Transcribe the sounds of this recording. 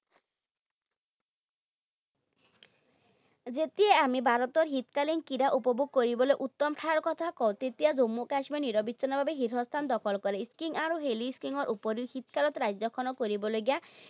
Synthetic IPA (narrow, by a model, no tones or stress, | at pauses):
d͡ʒet̪ieamibʱaɾɔt̪ɔɾɦit̪kalinkiɾaʔupɔbuɡ̚koɾiboleʔut̪ːɔmʈʰaɾkɔt̪ʰakɔwt̪et̪iad͡ʒomːukaʃmiɔniɾɔbit͡ʃɔnabʱabeɦiɾɦɔst̪ʰand̪ɔkʰɔlkɔɾeskiŋaɾoɦeliskiŋɔɾʔupɔɾihit̪kalɔt̪ɾajd͡ʒɔkʰɔnɔkoɾibɔloɡja